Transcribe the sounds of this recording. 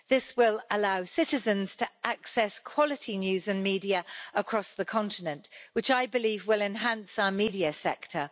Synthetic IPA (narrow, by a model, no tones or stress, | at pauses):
ðɪswɪləlaʊsɪtɪzə̃nz̥tʰəʔaksɛskʰw̥ɒlɪtʰinjʉːzə̃nmiːdiəəkʰɹ̥ɒsðəkʰɒ̃ntɪnə̃nʔwɪt͡ʃaɪbɪliːvwɪlɛ̃nɦãnsaʊəmiːdiəsɛktʰə